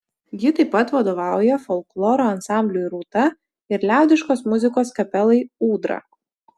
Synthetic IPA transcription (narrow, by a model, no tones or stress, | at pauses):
jʲɪt̪ɐɪpːɐt̪ʋɐd̪oːʋɑˑʊjɛfɔlˠklˠɔːɾoːɐnsɑˑmʲbʲlʲuːjɾuːt̪ɐ | ɪɾlʲæˑʊd̪ʲɪʃkoːsmʊzʲɪkoːskɐpʲɛlˠɐɪuːd̪ɾɐ̰